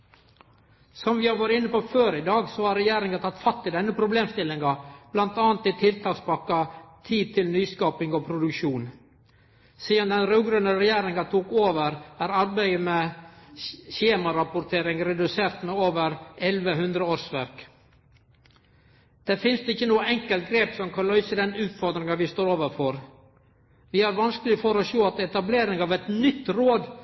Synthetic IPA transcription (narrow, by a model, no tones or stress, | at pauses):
sɔmʋɪhɑɾʋɑːɾəɪnːəpoføːɾɪd̪ɑːɡsɔhɑɾɾɛjeːɾɪŋɑt̪ʰɑt̪ːfɑt̪ːɪd̪ɛnːəpʰɾʊbleːmst̪ɪlɪŋɑb̥lɑnt̪ɑːɑnt̪ɪt̪ʰɪlt̪ʰɑːkspɑkːɑt̪ʰiːd̪̚t̪ʰɪlnyːskɑːpɪŋɔpʰɾʊd̪ʉkʃuːn | siːd̪ɑnd̪ɛnɾœɡɾœnəɾɛjeːɾɪŋɑt̪ʰuːkoːʋəɾæːɾɑɾbæɪəmɛ | çeːmɑɾɑpʊɾt̪ʰeːɾɪŋɾɛd̪ʉseːɾt̪mɛoːʋəɾɛlʋəɦʉnd̪ɾəoːɾsʋæɾk | d̪̥ɛfɪnst̪ɪçːənuːəɛŋkəlt̪̚ɡɾeːpsɔmkʰɑnlœʏsəd̪ɛnʉːt̪fɔɾd̪ɾɪŋɑʋɪst̪oːɾoːʋəɾfɔɾ | ʋɪæɾʋɑnskəlɪfɔɾɔʃoːɑt̪ɛt̪ɑbleːɾɪŋɑʋɛt̪nʏt̪ːɾoːd̪